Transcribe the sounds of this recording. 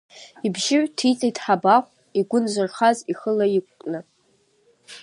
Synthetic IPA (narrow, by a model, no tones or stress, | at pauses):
ibʒɪʕʷtʰit͡sʼejtʼħabaχʷ | iɡʷʊnzʷarχaziχəlajikʷʼkʼnɨ